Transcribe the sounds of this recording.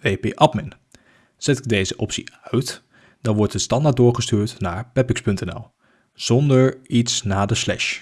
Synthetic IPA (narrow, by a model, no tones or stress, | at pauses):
ʋejpeːʔɑpmɪn | z̥ɛtɪk̚dejzəʔɔpsḭœɥt | dɑnʋɔɹtəstɑndaɹt̚dʊːɹχəstyːɹtnaːɹpɛpɪkspɵntɛnɛ̰lˠ | z̥ɔndəɹitsnaːdəslɛ̰ʃ